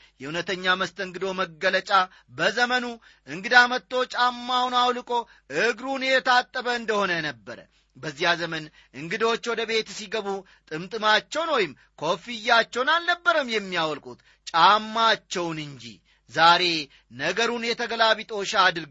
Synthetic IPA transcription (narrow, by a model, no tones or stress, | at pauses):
jɛhunət̪ʰəɲːaməst̪ʰəŋɡɨd̪o̞məɡːələt͡ʃʼa | bəzəmənu | ʔɨŋɡɨd̪amət̪ːo̞t͡ʃʼamːawnawlɨkʼo̞ | ʔɨɡɾunjɛt̪ət̪ʰat̪ʼːəβəɨnd̪əho̞nənəbːəɾə̰ | bəzːijazəmən | ʔɨŋɡɨd̪o̞t͡ʃːwɔd̪əβe̞t̪siɡəβu | t̪ʼɨmt̪ʼɨmat͡ʃːɛwnwojɪm | kʰo̞fijːat͡ʃːɛwnalnəbːəɾəmjɛmːijawɔlkʼut̪ | t͡ʃʼamːat͡ʃːɛwnɨɲd͡ʒḭ | zaɾe̞ | nəɡəɾunjɛt̪ʰəɡəlaβit̪ʼo̞ʃaːd̪ɨɾɡ